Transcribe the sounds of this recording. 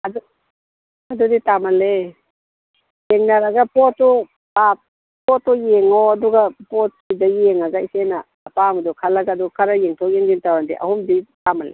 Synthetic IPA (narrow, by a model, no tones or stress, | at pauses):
ɐdu | ɐduditamɐle | jeŋnaɾaɡapɔtɔ | pak̚ | pɔtɔjeŋɔɐduɡapɔt̚sidajeŋaɡajsenaːpamadukʰalaɡaːdukʰaɾajeŋtʰɔk̚jeŋɡintawandḭʔɐ̰humditamalḛ